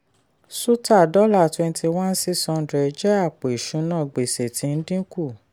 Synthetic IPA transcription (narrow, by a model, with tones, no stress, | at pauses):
su˦ta˦˨dɔ˦la˦˨twɛ̃˧n˦ti˧wã˦n̩˦si˦˨sɔ̃˧n̩˦dɾɛ˧d͡ʒɛ˦a˦˨k͡po˨i˨ʃũ˨˦nã˦˨ɡ͡be˨se˨tʰĩ˨˦n̩˦dĩ˦ku˦˨